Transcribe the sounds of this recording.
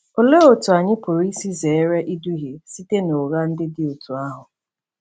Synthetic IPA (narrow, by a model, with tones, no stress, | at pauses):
o˨le˦o˨tu˨a˨ɲɪ˦pʊ˨ɾi˦si˦ze˨e˦ɾe˦ʔi˦du˦ɦe˨si˦te˦no˨ɣa˦n̩˦dɪ˦dɪ˦o˨tʰu˨a˦ɦʊ˨